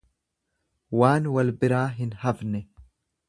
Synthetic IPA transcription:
waːnwɐlbɪɾaːɦɪnhɐfnɛ

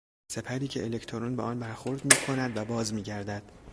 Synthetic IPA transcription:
se̞pʰæɾiːcʰe̞elecʰt̪ʰoɾunbeʔɒːnbæɾxoɾd̪miːkʰo̞næd̪væbɒːzmiːɟæɾd̪æd̪̥

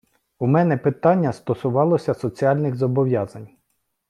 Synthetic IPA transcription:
umɛnɛpɪt̪ɑnʲːɐst̪ɔsʊʋɑlˠɔsʲɐsɔt͡sʲiɑlʲnɪɣzɔbɔʋʲjɑzɐnʲ

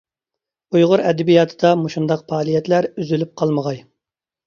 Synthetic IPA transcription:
ujʁʊɾɛd̪ɪbijɑːt̪ʰɨd̪ɑmoʃund̪ɑqpɑːlˠijɛt̪læɾyzylyp̚qʰɑlˠməʁɑj

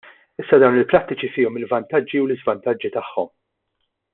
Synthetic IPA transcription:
ɪsːɐd̪ɐwnɪlpɾɐt̪ːɪt͡ʃifiːɔmɪlvɐnt̪ɐd͡ʒːiwlɪzvɐnt̪ɐd͡ʒːit̪ɐħːɔ̰m

